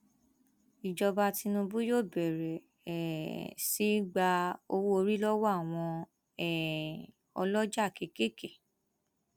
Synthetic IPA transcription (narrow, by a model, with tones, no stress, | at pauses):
i˨d͡ʒɔ˧ba˧ti˧nũ˧bu˦jo˦˨bɛ˨ɾɛ˨ | ɛ˨si˨˦ɡ͡ba˧o˧wo˦o˧ɾi˦lɔ˦wɔ˦a˦˨w̃ɔ̃˧ | ɛ˨ | ɔ̰˧lɔ˦d͡ʒa˦˨ke˨ke˦ke˦˨